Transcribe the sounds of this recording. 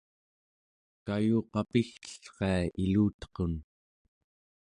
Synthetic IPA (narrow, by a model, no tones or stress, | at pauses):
kajuːqɑpixt̪ə̥ɬqeailuːt̪qon